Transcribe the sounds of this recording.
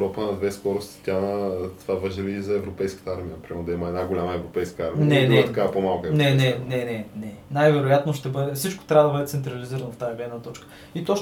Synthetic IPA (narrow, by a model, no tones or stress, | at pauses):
ɾɔpənɐd̪vɛskɔɾost̪ʲi̥t̪ʲat̪ovavəʒəɾizɐɛvɾopɛjskə̥t̪əaɾmijəpɾimɛɾnd̪ɐiməɛd̪aɡolʲaməɛvɾopɛjskəaɾminɛnɛt̪ɐkaɐpomalˠkənɛnɛnɛnɛnɛnajvɛɾojat̪noʃt̪ɛbɤd̪ɛfsit͡ʃko̥t̪ɾʲavəd̪ɐbəd̪ɛt̪sɛnt̪ɾɐliziɾənoft̪ajɛɡlɛd̪nət̪ɔt͡ʃkə̥ | it̪o